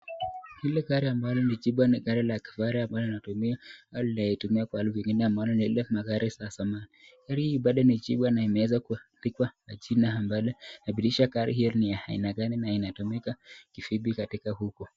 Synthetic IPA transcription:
hilɛkaɾiambalɔnid͡ʒiɓwaniɣaɾilaki̥faɾiambalɔinatumiaalinaitumiakwahaluviŋɡinɛambalɔnilɛmaɣaɾisasamanikaɾihiːɓaɗɔnid͡ʒiɓwanaimɛwɛzakutikwamad͡ʒinaambalɔnaɓiliʃakaɾḭɦinijahaḭnaɡaninainatumɛkakifiɓikatikahukɔ

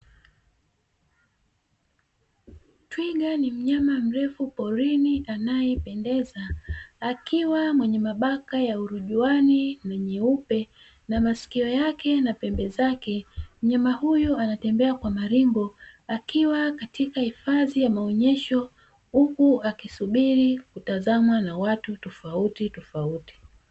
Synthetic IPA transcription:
twiɠanim̩ɲamam̩ɾɛfupɔɾiniʔanajɛpɛndɛzaː | kiwamwɛɲɛmaɓakajauɾuʄuaninaɲɛupɛ | namasi̥kiɔjakɛnapɛmbɛzakɛm̩ɲamahujuanatɛmbɛakwamaɾimɡɔakiwakatikahifaðijamaɔɲɛʃɔ | hukuakisuɓiɾikutazamwanawatutɔfautitɔfauti̥

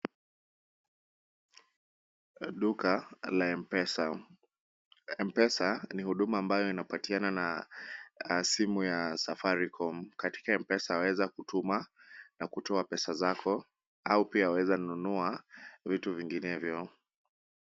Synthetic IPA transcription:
ɗukalaɛɛsa | ɛmpɛsanihuɗumaːmbajɔinapatianana | simujasafaɾikʰɔm̩kati̥kaɛmpɛsaawɛzakutumanakutɔapɛsazakʰɔ | aupiaawɛzanunuavituviŋɡinɛvjɔ

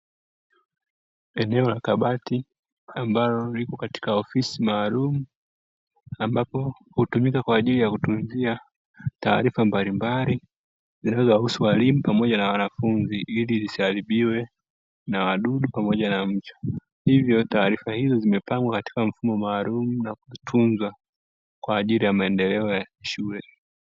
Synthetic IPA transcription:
ɛnɛɔlakaɓati | ambalɔlikɔkati̥kaɔfisimaːlumu | ambapɔ | hutumikakwaːʄilijakutumzia | ta̰ːɾifambalimbali | zinaɛzɔwahusuwalimupamɔʄanawanafunziʔilizisaliɓiwɛ | nawaɗuɗupamɔʄanam̩t͡ʃɔ̥ | hivjɔtaːɾifahizɔzimɛpaŋɡwakati̥kaɱ̩fumɔmaːlumunakuitʰunzwa | kwaːʄilijamaɛndɛlɛɔjakʃulɛ

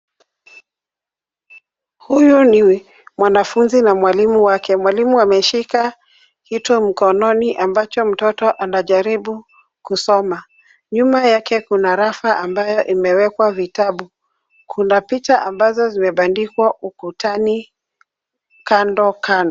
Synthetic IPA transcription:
hujuni | mwanafunzinamwalimuwakɛmwalimuamɛʃika | hitɔm̩kɔnɔniʔambat͡ʃɔm̩tɔtɔʔanaʄaɾiɓu | kusɔma | ɲumajakɛkunaɾafaʔambajɔʔimɛwɛkwavitaɓu | kʰunapit͡ʃaʔambazɔzimɛɓandikwaʔukutʰani | kandɔkanɔ

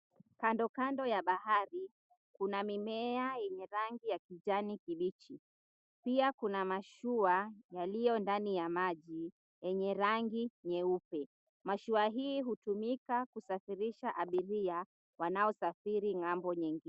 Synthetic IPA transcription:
kandɔkandɔjaɓahaɾi | kunamimɛajɛɲɛɾaŋɡijakid͡ʒanikiɓit͡ʃi | piakunamaʃuajalijɔndanijamaʄi | jɛɲɛɾaŋɡiɲɛupɛ | maʃuaɦiːɦutumikakusafiɾiʃaʔaɓiɾia | wanaɔsafiɾiŋambɔɲɛŋɡi

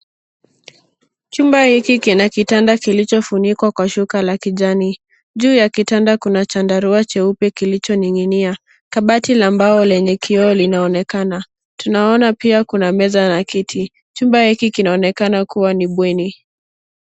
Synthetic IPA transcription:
t͡ʃumbahikikinakitandakilit͡ʃɔfunikwakwaʃukalakiʄani | ʄuːjakitandakunat͡ʃandaɾuat͡ʃɛupɛkilit͡ʃɔniŋinia | kaɓatilambaɔlɛɲɛkʰiɔːlinaɔnɛkana | tunaɔnapiakunamɛzanakitʰi | t͡ʃumbahikikinaɔnɛkanakuwaniɓwɛni

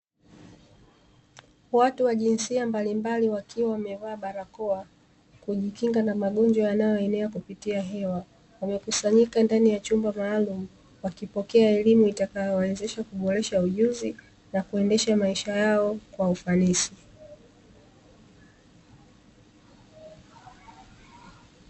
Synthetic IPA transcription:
watuwaʄinsiambalimbaliwakiwawamɛvaːɓaɾakɔa | kuʄikiŋɡanamaɠɔnd͡ʒwajanajɔɛnɛakupitiaɦɛwa | wamɛkusaɲikandanijat͡ʃumbamaːlumu | wakipɔkɛaɛlimuitakajɔwɛzɛʃakuɓɔɾɛʃauʄuzi | nakuɛndɛʃamaiʃajaɔkwaufanisi

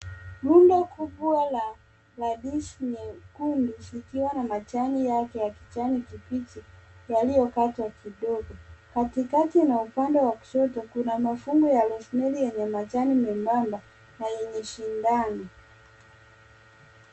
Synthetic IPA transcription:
lundakuɓwala | laɗiʃɲɛkundilikiwanamat͡ʃanijakɛjaki̥t͡ʃanikipit͡ʃijalijɔkatwakiɗɔɡɔkatikatinaupandɛwaki̥ʃɔtɔkunamafuŋɡujalɔsnɛlijɛɲɛmat͡ʃanimɛmbamba | najɛɲɛʃindani

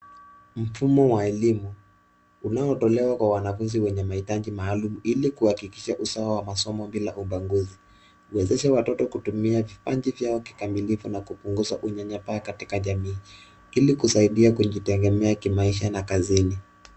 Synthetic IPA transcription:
m̩fumɔwaɛlimuː | naɔtɔlɛwakwawanafunziwɛɲɛmahitaʄimaːlumuilikuhakikiʃaʔusawawamasɔmɔmbilaʔumbaŋɡuzi | uwɛzɛʃɛwatɔtɔkutumiavipaɲd͡ʒivjaɔki̥kamilifunakupuŋɡuzaʔuɲaɲapaːkatikaʄamiː | ilikusaiɗiakuʄitɛŋɡɛmɛakimaiʃanakazini

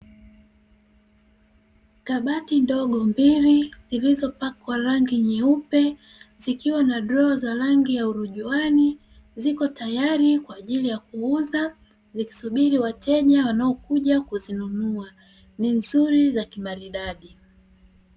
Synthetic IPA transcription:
kaɓatindɔɠɔmbiɾizilizɔpakwaɾaŋɡiɲiupɛ | zikiwanaɗɾɔːzaɾaŋɡijauɾuʄuani | zikɔtajaɾikwaːʄilijak̚uuza | ziki̥suɓiɾiwatɛʄawanaɔkuʄakuzinunua | ninzuɾizakimaɾiɗaɗi

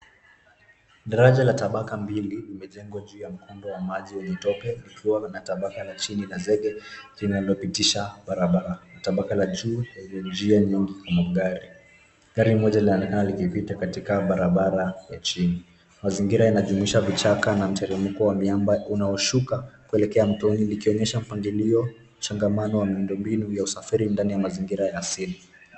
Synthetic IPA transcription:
ɗaɾaʄalataɓakambililimɛʄɛŋɡwaʄuːjam̩kundɔwamaʄiwɛɲɛtɔpɛlikʰiwanataɓakalat͡ʃinilazɛɠɛlinalɔpitiʃaɓaɾaɓaɾanataɓakalaʄuːɛɲɛd͡ʒianimiŋɡikamaɠaɾi | ɠaɾimɔʄalinaɔnɛkanalikipitakatikaɓaɾaɓaɾajat͡ʃini | maziŋɡiɾajanaʄumuiʃavit͡ʃakanam̩tɛɾim̩kɔwamiambaunaɔʃukakuɛlɛkɛam̩tɔnilikiɔɲɛʃam̩paŋɡiliɔ | t͡ʃaŋɡamanɔwamiundɔmbinujausafiɾindanijamaziŋɡiɾajaːsili

